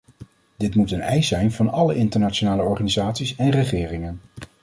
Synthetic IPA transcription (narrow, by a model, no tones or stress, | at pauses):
dɪtmutənɛjsɛjnvɑnɑləʔɪntəɹnaːt͡ʃonaːləɔɹχaːnizaːtsisɛnrəχɪːrɪŋən